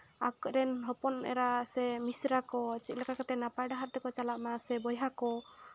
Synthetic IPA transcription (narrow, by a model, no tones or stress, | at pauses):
akɾɛnɦɔpɔnɛ̰ɾasɛmisɾakɔt͡ʃit̪̚lɛkakat̪ɛnapajɖaɦaɾt̪ɛkɔt͡ʃalaʔmasɛbɔjɦakɔ